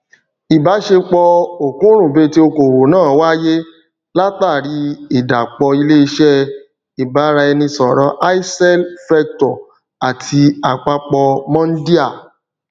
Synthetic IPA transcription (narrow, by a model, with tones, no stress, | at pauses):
i˨ba˨˦ʃe˧k͡pɔ˧o˨kũ˨˦ɾ̃ũ˦˨be˨˦ti˦o˧ko˨wo˨nãː˦˨wa˦je˦ | la˦ta˦˨ɾi˧˦i˨da˨k͡pɔ˧i˧le˦i˧ʃɛ˦ | i˨ba˨˦ɾa˧ɛ˧nĩ˧sɔ˨ɾɔ˧˦ʔa˦i˦sɛ˦lfɛ˧ktɔ˨ | a˨tʰi˧a˨k͡pa˧k͡pɔ˧mɔ̃˦n̩˦di˦a˦˨